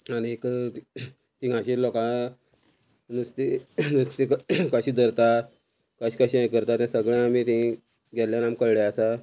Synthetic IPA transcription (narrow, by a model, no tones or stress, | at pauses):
anik̪ | t̪iɡʱãɕilɔkã | nust̪inust̪ikkəɕiːd̪ʱəɾt̪a | kəɕi̥ːkəɕiə̃jkəɾt̪at̪ãsəɡɭjãamit̪ĩ | ɡʱɛt̪ljanamkəɭɽeasa